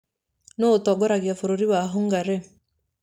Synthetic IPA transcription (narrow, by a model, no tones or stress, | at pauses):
notɔɡɔɾaɣjafoɾoɾiwaɦoŋɡaɾe